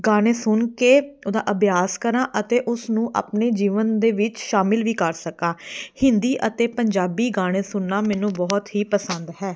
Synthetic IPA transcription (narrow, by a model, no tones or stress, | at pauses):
ɡaːɽ̃eːsʊnkeːd̪a̰ːʔəbjaːskəɾãːʔət̪eːʔʊsnũːʔa̰ːpneːd͡ʒiːʋənd̪eːʋɪt͡ʃʃaːmɪlʋiːkəɾsəkãːhɪnd̪iːʔət̪eːpəɲd͡ʒaːbiːɡaːɽ̃eːsʊnːaːmɛːnũːbɔːt̪ɦiːpəsənd̪ɦɛː